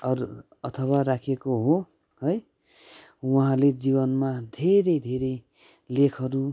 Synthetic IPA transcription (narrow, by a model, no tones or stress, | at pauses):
ʌr | ʌt̪ʰʌwaɾakʰekoɦo | hʌj | wuɦãled͡zibʌnmad̪ʱeɾʌjd̪ʱeɾʌj | lekʰʌɾu